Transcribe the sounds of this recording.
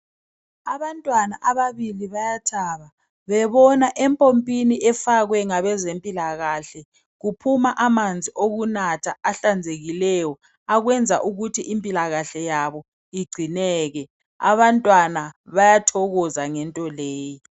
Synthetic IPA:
aβantʼwanaʔaβaβiliβajatʰaβa | βɛβɔnaʔɛmpʼompʼiniʔɛfaɣwɛŋaβɛzempʼilaɣaɬɛ | ɣupʰumaʔamand͡zʱiʔoɣunatʰaːɬand͡zʱeɣilɛjɔ | aɣwɛnd͡zʱa̰ʔuɣutʰiʔimpʼilaɣaɬɛjaβɔ | iɡ͡ǀʱinɛːɣɛ | a̰βantʼwanaβajatʰɔɣɔzaŋɛntʼɔleːji

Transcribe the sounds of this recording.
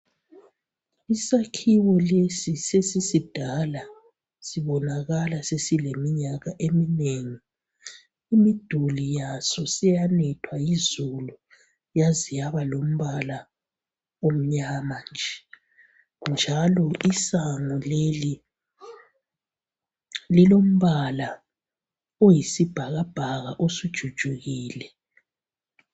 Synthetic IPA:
isakʰiwɔlesisesisid̥ʱala | siβɔnaɣalasesilemiɲaɣaʔemineːŋi | imid̥ʱulijasɔsijanɛtʰwajizulu | jazijaβalom̩βala | om̩ɲaːmand͡ʒʱɛ | nd͡ʒʱalɔʔisaŋɔleli | lilom̩βala | ojisib̥ʱaɣab̥ʱaɣaʔosud̥ʒ̥ʱud̥ʒ̥ʱuɣiːlɛ

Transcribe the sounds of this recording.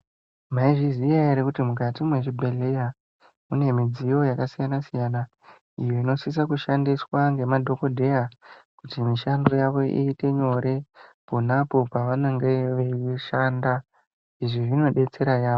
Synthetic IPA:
maiʐizijajaɾekutimuk̬atimwe̞ʐibʱe̞le̞ja | une̞mid͡zijo̞jakasijanasijana | ijo̞ino̞sis̬akuʃandiswaŋɡe̞madʱo̞ko̞dʱe̞jakutimiʃandojaʋo̞ʔḭːte̞ɲo̞ɾe̞ponapo̞paʋanaŋɡeʋeiʃanda | iʐiʐino̞ɗe̞t͡se̞ɾajaːʋo

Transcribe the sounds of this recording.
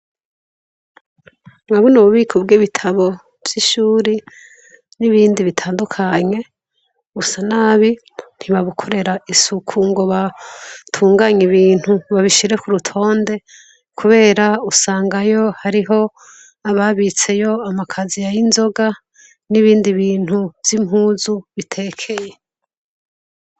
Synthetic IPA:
mwaβonuβuβikʰobɡiβitʰaβo̞ | vj̥iʃuːɾi | niβiːndiβitʰaːndukʰaɲe̞ | ɡusanaːβi | n̥iβaβukʰo̞ɾe̞ɾaisukʰuŋɡo̞βatʰuːŋɡaɲiβiːn̥huβaβiʃiɾe̞kuɾutʰo̞ːnde̞ | kʰuβe̞ːɾausaːŋɡajo̞haɾiɦo̞ | aβaβit͡se̞jo̞amakʰazijajinzo̞ɡa | niβiːndiβiːn̥huvz̥imhuːzuβitʰe̞ːkʰe̞je̞

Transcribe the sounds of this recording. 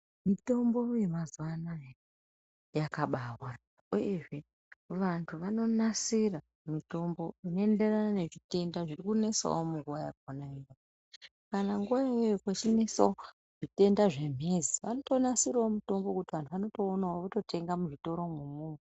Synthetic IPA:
mito̞mbo̞je̞mazuwanae | jakaɓawa | ujeʐe̞ | ʋantʰuʋano̞nasira | mito̞mbo̞ino̞ende̞ranane̞ʐite̞ndaʐirikune̞sa̰omuŋɡuʋajabʱonaijo | kanaŋɡuʋaejokot͡ʃine̞sa̰o | ʐ̥ite̞ndaʐe̞m̤ʱe̞ziʋano̞to̞nasiraomuto̞mbo̞kutiʋantʰuʋano̞to̞ːnawoʋoto̞tʰe̞ŋɡamuʐito̞ɾo̞mwumuŋe

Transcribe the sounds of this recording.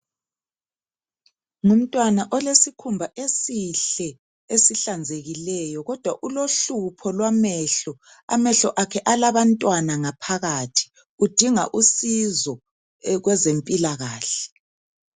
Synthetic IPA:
ŋum̩tʼwanaʔɔlesikʰumbʱaʔesiɬɛ | esiɬand͡zʱeɣilɛjɔɣɔd̥ʱwaʔuloɬupʰɔlwamɛɬɔ | a̰mɛɬɔʔakʰɛʔalaβantʼwanaŋapʰaɣaːtʰi̥ | ud̥ʱiŋa̰ʔusizɔ | ɣwɛzempʼilaɣaːɬɛ

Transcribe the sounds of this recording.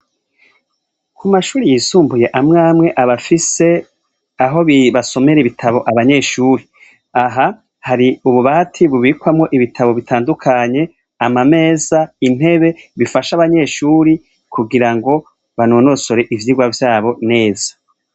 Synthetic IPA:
kʰumaʃuːɾijiːsuːmbuje̞ʔamŋaːmŋe̞ʔaβafise̞ | aɦo̞βiβaso̞me̞ɾeβitʰaβo̞ʔaβaɲe̞ːʃuːɾi | aɦa | haɾiuβuβaatʰiβuβikwamŋo̞ʔiβitʰaβo̞βitʰaːndukʰaɲe̞ | amame̞ːzain̥he̞βe̞βifaʃaβaɲe̞ːʃuːɾi | kʰuɡiɾaŋɡo̞ | βanoːno̞so̞ɾe̞ʔivjiɡwavjaːβo̞ne̞ːza

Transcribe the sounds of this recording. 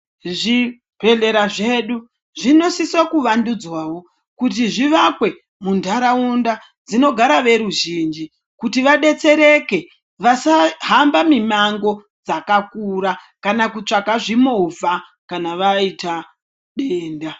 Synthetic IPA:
ʐi | bʱe̞ɮe̞ɾaʐe̞ɗu | ʐino̞siswakuʋandud͡zwaːwo̞ | kut̬iʐiʋakwe̞ | mundʱaɾaunda | d͡zino̞ɡʱaɾaʋe̞ɾuʒiːnd͡ʒi | kutiʋaɗe̞t͡se̞ɾeke̞ | ʋasaɦambamimaŋɡo̞ | d͡zakakuɾa | kanakut͡ʂakaʐimova | kanaʋaita | ɗeːnda

